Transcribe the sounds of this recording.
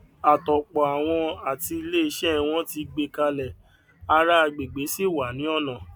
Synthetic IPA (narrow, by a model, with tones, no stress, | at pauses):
a˨tɔ˨k͡pɔ˨a˨w̃ɔ̃˧a˨ti˧i˧le˦i˧ʃɛ˦w̃ɔ̃˦ti˧ɡ͡be˧ka˧lɛ˨ | a˧ɾa˦a˧ɡ͡be˨ɡ͡be˨˦si˦˨wa˨nĩ˨˦ɔ˦˨nã˨